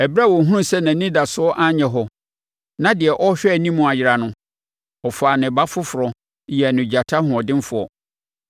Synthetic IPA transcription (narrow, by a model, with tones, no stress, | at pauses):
ɛ˨bɾa˦˨wɔ˨ɦũ˦˨sɛ˦nã˨˦nĩ˦da˨sʊ˦ɔ˦ʔa˦ɲɛ̃˨ɦɔ˨ | nã˦dɪ˨ɛ˨ʔɔ˦ɕᶣɛ˦˨nĩ˦mʊ̃˨a˨jɪ˨ɾa˨nʊ̃˦ | ɔ˨fa˨nɪ̃˨ba˦fʊ˦fʊ˨ɾɔ˨ | jɛ˨nʊ̃˨d͡ʑa˨tʰa˦hʊ̃˨ɔ˨dɪ̃˦n˦fʊ˨˦ɔ̰˨